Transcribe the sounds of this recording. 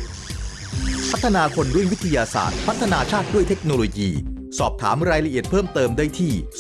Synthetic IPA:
pʰa˦˥t̪ʰːa˧naː˧kʰo˧nɾu˥˩wi˦˥t̪ʰːa˧jaː˧sa̰ː˨˩t̪̚pʰa˦˥t̪ʰːa˧naː˧t͡ɕʰaː˥˩t̪̚du˥˩əjt̪ʰe˦˥k̚noː˧loː˧jiː˧ | sɔː˨˩p̚t̪ʰa̰ː˩˦mɾaː˧jɾa˧ʔi˨˩ət̪̚pʰɤː˥˩mt̪ɤː˧mda˥˩jt̪ʰiː˥˩

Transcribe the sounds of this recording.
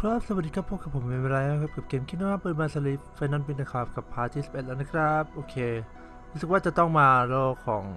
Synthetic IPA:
kʰɾɔː˥˩p̚sa˨˩˨a˨˩di˧kʰa˦˥pʰːoː˧˥˩ka˨˩pʰːo˩˦mːiː˧waː˧ɾa˧jhaː˦˥˩kʰa˦˥p̚kp̚keː˧mkʰi˥t̪̚na˧˥˩maː˥˩pɤː˧˩maː˧sa˧li˦˥pfa˧˦naː˧˥˩npi˧nna˧kʰaː˧˩fka˨˩pʰːaː˧˥t̪ʰːiː˥˩si˨˩p̚e˨˩t̪̚la˧na˦˥kʰɾa˦˥p̚ʔoː˧kʰeː˧ | ɾuː˦˥sɯ˨˩k̚waː˥˩t͡ɕa˨˩t̪ɔ˥˩ŋmaː˧ɾoː˥˩kʰːɔː˩˦ŋ

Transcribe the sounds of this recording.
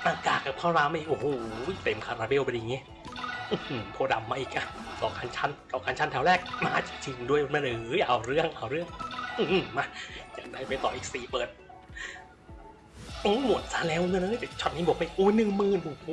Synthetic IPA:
ʔaː˧kaː˨˩t̪kaː˨˩pʰɔː˥˩ɾaː˧˩ma˧˩˨ʔo˧˩hjt̪e˨˩˦mkʰaː˧ɾaː˧bi˧˥˨wpe˧nja˨˩ŋiː˦˥˨ | ʔɯ˧˩˨pʰo˧˩da˨˩mːaː˧ʔiː˨˩k̚na˦˧˥ | t̪ɔː˨˩kʰaː˧nt͡ɕʰa˦˥nt̪ɔː˨˩kʰaː˧nt͡ɕʰa˦˥nt̪ʰɛ˧˥˩wɾɛː˥˩k̚maː˧˩t͡ɕi˨˩ŋt͡ɕʰi˧ŋdu˧˩əjbo˧nma˧ʔɯː˨˩˦ʔa˨˩wɾɯ˥˩əŋʔa˧˩wɾɯ˥˩əŋʔɯ˧m˨˩ma˧˩ja˨˩daː˧˩pa˧jt̪ɔː˨˩ʔiː˨˩k̚siː˨˩pɤː˨˩t̪̚ | ʔoː˧˦mu˨˩ət̪̚sa˧˥lɛː˦˥˩wŋɤ˧nːʔaː˧˦˥t͡ɕa˧˩t͡ɕʰɔ˧˩t̪̚niː˧˥˩bo˨˩˦ma˧˩˨iː˨˩ʔoː˧˥˩nɯ˨˩ŋmɯː˨˩nu˨˧˩

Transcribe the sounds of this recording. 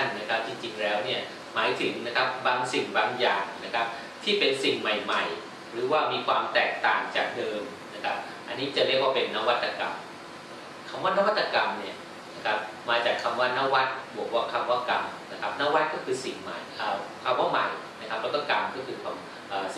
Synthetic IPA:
nna˦˥kʰa˦˥p̚t͡ɕi˧ŋt͡ɕi˧ŋlɛː˦˥wni˥˩ɐ | maː˩˦jt̪ʰɯ˩˦ŋna˦˥kʰa˦˥p̚baː˧ŋsi˨˩ŋbaː˧ŋjaː˨˩ŋna˦˥kʰa˦˥p̚ | t̪ʰiː˥˩pe˧nsi˨˩ŋma˨˩jma˨˩j | ɾɯː˩˦waː˥˩miː˧kʰwaː˧mt̪ɛː˨˩k̚t̪a̰ː˨˩ŋt͡ɕa̰ː˨˩k̚dɤː˧m | na˦˥kʰa˦˥p̚ | ʔa˧nːiː˦˥t͡ɕa˨˩ɾi˥˩ək̚waː˥˩pe˧nːa˦˥wa˦˥t̪ːa˧ka̰˧m | kʰa˧mwaː˥˩na˦˥˩wa˦˥t̪ːa˧ka˧mni˥˩ɐ | na˦˥kʰa˦˥p̚maː˧t͡ɕaː˨˩kʰːa˧mwaː˥˩na˦˥˩wa˦˥t̪̚bu˨˩ək̚waː˥˩kʰa˧mwaː˥˩ka˧mna˦˥kʰa˦˥p̚naː˦˥˩wa˦˥t̪̚kɔː˥˩kʰɯː˧si˨˩ŋma̰˨˩jʔaː˧kʰa˧mwaː˥˩ma˨˩jna˦˥kʰa˦˥p̚lɛː˦˥kɔ˥˩ka˧mkɔː˥˩kʰɯː˧kʰwaː˧m | ʔəː˨˩

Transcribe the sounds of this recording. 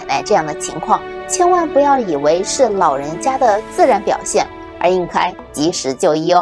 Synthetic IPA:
na̰˥˧ɪʈ͡ʂɤ˥˧jɑ˥˩ŋd̪ə˩t͡ɕʰḭ˧˥ŋkʰwɑ˥˩ŋt͡ɕʰjɛ˥nwa˥˩npu˧˥jɑ˥˩ʊi˨˩we˧˥ɪʂɻ̩˥˩lɑ˨˩ʊɻə˧˥nt͡ɕja˥d̪ə˨t͡sɹ̩˥˩ɻa˧˥npjɑ̰˨˩ʊɕjɛ˥˩n | ə̰˞˧˥i˥˩nkʰa˥ɪ | t͡ɕi˧˥ʂɻ̩˧˥t͡ɕjo˥˧ʊi˥˧˩

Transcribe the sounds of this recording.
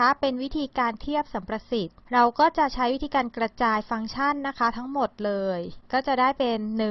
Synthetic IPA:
a˦˥pe˧nwi˦˥t̪ʰiː˧kaː˧nt̪ʰi˥˩əp̚sa˩˦mpɾa˧si˨˩t̪̚ɾa˧wkɔː˥˩t͡ɕa˨˩ʔt͡ɕʰa˦˥jwi˦˥t̪ʰiː˧kaː˧nkɾa˧t͡ɕaː˧jfa˧ŋt͡ɕʰa˥˩nːa˦˥kʰa˦˥t̪ʰa˦˥ŋmo˨˩t̪̚lɤː˧jkɔː˥˩t͡ɕa˨˩daː˥˩jpe˧nːɯ˨˩

